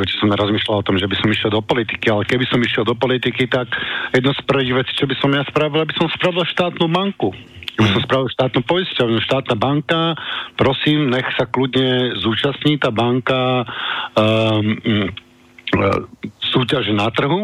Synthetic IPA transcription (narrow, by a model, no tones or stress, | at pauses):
ɛcɛ̥sɔmnaɾɔzmiːʃlalɔt̪ɔmʒɛbisɔmiʃjɛlˠd̪ɔpɔlit̪ikialɛkɛbisɔmiʃɪɛlˠd̪ɔpɔlit̪ikit̪akjɛd̪nɔspr̩ʋiːɣʋɛt͡si̥ːt͡ʃɔbisɔmjaspɾaʋilabisɔmspɾaʋilʃt̪aːt̪nuːbaŋku | ɡbisɔmspɾaʋilˠʃt̪aːt̪nuːpɔjiscaɔʃt̪aːt̪naːbaŋkapɾɔsiːmɲɛxsakludɲɛzuːt͡ʃasɲiːt̪aːbaŋka | suːcaʒɛnat̪r̩ɦu